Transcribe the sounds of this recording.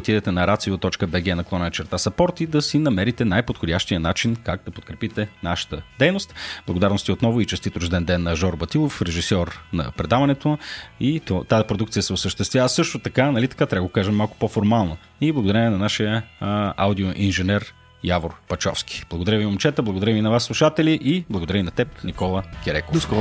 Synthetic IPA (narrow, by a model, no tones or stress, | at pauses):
ot̪id̪ɛt̪ɛnɐɾat̪siot̪ːɔt͡ʃkəbɛɡɛnɐklˠɔnɐt͡ʃɛɾt̪asɐpɔɾt̪id̪ɐsinɐmɛɾit̪ɛnajpot̪xodʲaʃt̪iənat͡ʃinkaɡ̚d̪ɐpot̪̚kɾɛpit̪ɛnaʃə̥t̪əd̪ɛjnost̪blˠɡod̪aɾnost̪iot̪nɔvʊit͡ʃɛst̪it̪ʊʒd̪ɛnd̪ɛnːɐʒɔɾbɐt̪ilˠofɾɛʒisɔɾnɐ̰pɾɛd̪avɐnɛt̪oit̪t̪azipɾod̪ukt̪sijəsɛosəʃt̪ɛst̪vʲjavəsɤʃt̪ot̪ɐkanɐlit̪ɐ̥kat̪ɾʲabəɡokaʒɛmːalˠkʊ̥pofoɾmalˠnə | iblˠɐɡod̪ɐɾəinɐnaʃijəa̰wd̪ioʔinʒɛnɛɾ | javoɾpɐt͡ʃɔ̰fskʲi̥b̥lˠɐɡod̪ɐɾəviomt͡ʃɛt̪əblˠɐɡod̪ɐɾəvinɐvasːlˠuʃat̪ɛlʲiʔiblˠɐɡod̪ɐɾəvinɐt̪ɛpnikɔlˠəkʲɛɾɛkoskɔ